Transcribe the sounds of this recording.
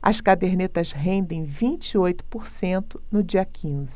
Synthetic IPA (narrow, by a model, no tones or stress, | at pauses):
ɐ̰skad̪eɾnet̪ɐzɦẽnd̪ẽj̃vĩnt͡ʃiojt̪ʊ̥poɾsẽnt̪ʊ̥nʊd͡ʒiɐkʰĩzɪ